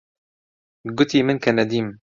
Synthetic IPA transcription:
ɡʊt̪ʰiːmɨnkʰɛnɛd̪iːm

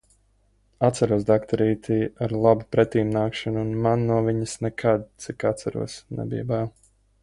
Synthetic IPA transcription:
at̪saɾuɔsd̪akt̪aɾiːt̪ʰiːaɾlˠabupɾɛt̪iːmnaːkʃanuːnmanːuɔviɲəsnɛkʰad̪̚t̪sikat̪t̪saɾṵɔsnɛ̰bḭjbaw

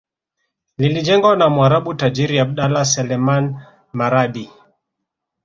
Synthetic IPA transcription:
lilid͡ʒɛŋɡwanamuaɾaɓutad͡ʒiɾiaɓ̚ɗalasɛlɛman | maɾaɗi

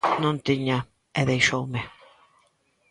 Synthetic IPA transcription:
nõnt̪iɲa | eðejʃowme

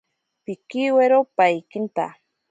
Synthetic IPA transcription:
pikiweɾopajkint̪a̰

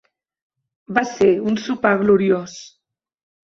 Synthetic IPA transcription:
baseunsupaɣluɾios

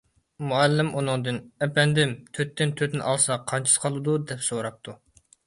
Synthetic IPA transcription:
muɛlːɪmʔunɨŋd̪ɨnɛpɛnd̪ɪmt̪ʰøt̪ːɪnt̪ʰøt̪nɪ̰ʔɑlˠsɑqʰɑnt͡ʃʰi̥sqʰɑlˠɨd̪ud̪ɛpsoɾɑp̚t̪ʰu

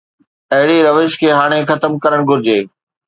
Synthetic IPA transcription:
ɐɦɪɽiɾɐʋeːʃkʰeːɦaːɽ̃exɐt̪əmkɐɾəɽ̃ɡʱʊɾɪd͡ʑeː

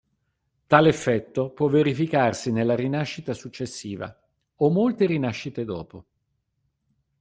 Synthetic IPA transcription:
t̪aːlefːɛt̪ːopwɔvːeɾifikarsinelːaɾinaʃːit̪asut͡ʃːesːiːva̰ | omːolt̪eɾinaʃːit̪ed̪ɔ̰ːpo

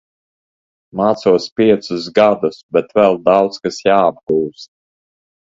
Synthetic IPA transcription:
maːt̪suɔspiɛt̪sʊs̬ɡad̪usbɛt̪vɛlˠd̪awt̪skasjaːb̚ɡuːst̪̚

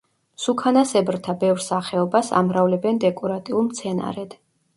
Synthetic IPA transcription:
sukʰanasɛbɾt̪ʰabɛvɾsaχɛɔbasa̰mɾavlɛbɛnd̪ɛkʼɔɾat̪ʼiulˠmt̪sʰɛna̰ɾɛd̪̥

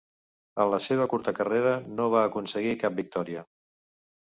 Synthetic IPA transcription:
ənləseβ̞əkuɾt̪əkəreɾənoβ̞aːkunsəɣikap̚bik̚t̪ɔɾiə

